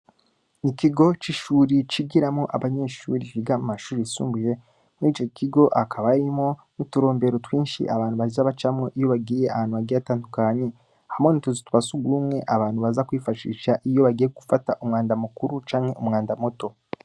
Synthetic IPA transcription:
nikiɡo̞t͡ʃiʃuːɾit͡ʃiɡiɾamŋo̞ʔaβaɲe̞ːʃuːɾiiɡamumaʃuːɾisṵːmbuje̞ | muɾiːt͡ʃokʰiɡo̞ʔakʰaβaɾimo̞nutuɾo̞ːmbe̞ɾo̞twiːnʃḭʔaβaːn̥huβazaβat͡ʃamŋo̞ʔijo̞βaɡiːjeʔahaːn̥uaɡiataːndukaɲe̞ | hamonituzituβasuɡuːmŋe̞ʔaβaːn̥uβazakwiːfaʃḭʃaʔijo̞βaɡiːjeɡufataʔumŋaːndamukuɾut͡ʃaːŋhe̞ʔumŋaːndamoto̞

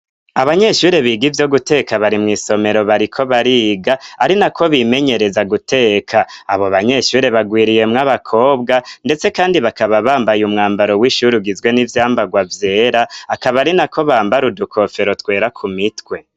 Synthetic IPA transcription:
aβaɲe̞ʃuːɾeβiːɡivjo̞ɡute̞kaβaɾimŋiːso̞me̞ɾo̞βaɾikʰo̞βaɾiːɡaaɾinakʰo̞βime̞ɲe̞ɾe̞zaɡutʰe̞ːkʰaːβo̞βaɲe̞ʃuːɾe̞βaɡwiːɾije̞mŋaβakʰo̞ːbɡande̞t͡se̞kaːndiβakaβaβaːmbajumŋaːmbaɾo̞wiʃuɾuɡizɡwe̞nivjaːmbaɡwavje̞ːɾaːkaβaɾinakʰo̞βaːmbaɾudukʰo̞fe̞ɾo̞twe̞ːɾakʰumitwe̞

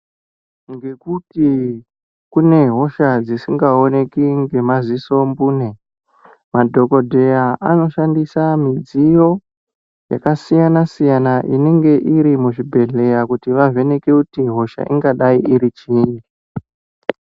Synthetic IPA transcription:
ŋɡe̞kuti | kune̞ɦo̞ʃad͡zisiŋɡao̞ne̞kiŋɡe̞maziso̞mbuːne | madʱo̞ko̞dʱe̞jaʔano̞ʃandisamid͡zijo̞ | ja̰kasijanasijanaʔḭne̞ŋɡe̞ʔiɾimuʐibʱe̞ɮe̞jakutiʋave̞ne̞kekutiɦo̞ʃa̰ʔiŋɡaɗaiʔiɾit͡ʃini

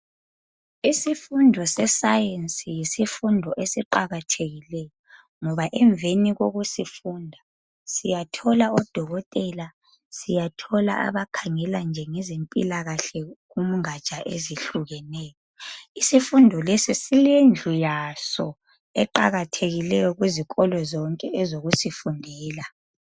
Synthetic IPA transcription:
isifundʱɔsɛsajensʼijisifundʱɔʔesiǃaɣatʰeɣilɛjɔ | ŋɔβaʔɛɱveniɣoɣusifuːndʱa | sijatʰɔlaɔd̥ʱɔɣɔtʼɛla | sijatʰɔla̰ʔa̰βakʰaŋɛland͡ʒʱɛŋɛzimpʼḭlaɣaɬɛɣum̩ŋat͡ʃʼaʔḛziɬuɣɛnɛːjɔisifundʱɔlesisilend͡ɮʱujasɔ | ɛǃa̰ɣatʰeɣilɛjɔɣwiziɣʼɔlɔzɔŋkʼɛɛzoɣusifundʱɛːla

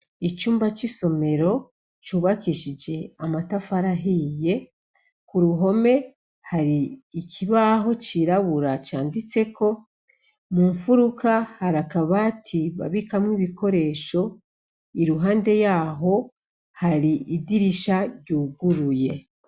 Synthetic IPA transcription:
it͡ʃuːmbat͡ʃiso̞me̞ɾo̞ | t͡ʃuːβakiʃid͡ʒe̞amatafaɾaɦiːje̞ | kuɾuɦo̞me̞ | haɾiːkʰiβaːɦo̞t͡ʃiːɾaβuɾat͡ʃaːndit͡se̞ko̞ | muːɱfuɾukahaɾakaβaːtʰiβa̰βikamŋiːβiko̞ɾe̞ʃo̞ | iɾuɦaːnde̞jaːɦo̞ | haɾiidiɾiʃaɾɟuːɡuɾuje̞

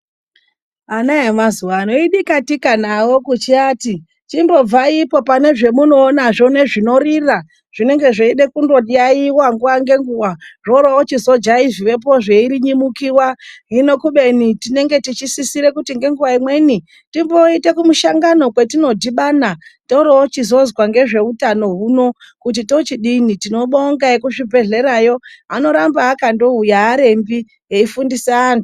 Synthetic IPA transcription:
anaemazuwanoiɗikatikanawo̞kut͡ʃiati | timbo̞b͡vaipo̞pane̞ʐe̞muno̞ːnaʐo̞ne̞ʐino̞rira | ʐ̥ine̞ŋɡe̞ʐeiɗe̞kundo̞iaiwaŋɡuwaŋɡe̞ŋɡuwaʐoɾawot͡ʃizo̞d͡ʒaiviʋe̞p̬o̞ʐe̞iɾiɲimukiwaɦino̞kuɓe̞nitine̞ŋɡe̞tit͡ʃisisiɾe̞kutiŋɡe̞ŋɡuʋaimwe̞ni | timbo̞itekumuʃaŋɡano̞kwe̞tino̞dʱiɓanatoɾoot͡ʃizo̞zwaŋɡe̞ʐe̞utano̞ɦuno̞ | kut̬ito̞t͡ʃiɗinitino̞ɓoːŋɡaekuʐibʱe̞ɮe̞ɾajo̞ano̞ɾambaːkando̞ujaːɾe̞mbi | eifundiseaːnu

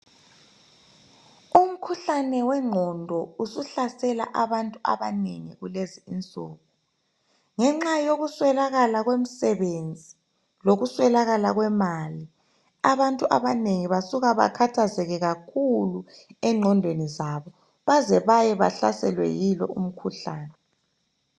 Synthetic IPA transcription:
um̩kʰuɬanɛwɛŋ͡ǃʱɔndʱɔusuɬasɛla̰ʔaβantʼua̰βaneŋiɣuleziint͡sʼɔ̰ːɣɔ | ŋɛŋ͡ǁajoɣuswɛlaɣalaɣwem̩sɛβend͡zʱi | loɣuswɛlaɣalaɣwɛmali | aβantʼuʔa̰βaneŋiβasuɣaβa̰kʰatʰazɛɣɛɣakʰuluɛŋ͡ǃʱɔndʱwenizaβɔ | βazɛβajɛβa̰ɬa̰sɛ̰lwɛ̰jilɔ̰um̩kʰuɬaːnɛ

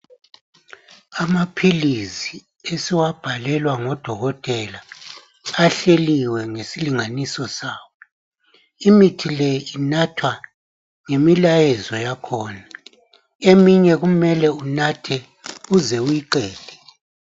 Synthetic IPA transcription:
amapʰilizi | esiwab̥ʱalɛlwaŋɔd̥ʱɔɣɔtʼɛlaː | ɬeliwɛŋesiliŋanisɔsaːwɔ | imitʰileinatʰwa | ŋemilajɛzɔjakʰɔːna | emiɲɛɣumɛlɛunatʰɛ | uzɛujiǃɛːl̥ʱɛ

